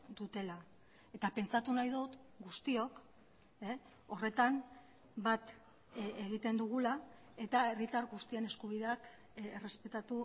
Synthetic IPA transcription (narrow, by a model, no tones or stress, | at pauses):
d̪ut̪e̞la | e̞t̪ape̞nt͡sat̪unajðot̪ɡust̪io̞k | e | o̞re̞t̪am | bat̪ | eɣ̞it̪e̞nd̪uɣ̞ula | e̞t̪ae̞rit̪aɾɣust̪ie̞ne̞skuβ̞iðe̞ak | ere̞spe̞t̪at̪u